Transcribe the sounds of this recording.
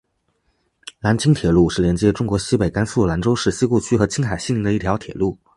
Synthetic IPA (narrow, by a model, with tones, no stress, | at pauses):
la˧˥nt͡ɕʰi˥ŋt̪ʰjɛ˨˩lu˥˧ʂɻ̩˥˩ljɛ˧˥nt͡ɕjɛ˥ʈ͡ʂʊ˥ŋkwɔ˧˥ɕi˥pe˨˩ɪka˥nsu˥˩la˧˥nʈ͡ʂo˥ʊʂɻ̩˥˩ɕi˥ku˥˩t͡ɕʰy˥xɤ˧˥t͡ɕʰi˥ŋxa˨˩ɪɕi˥nli˧˥d̪ə˧i˥˩t̪ʰjɑ˧˥t̪ʰjɛ̰˨˩lu˥˩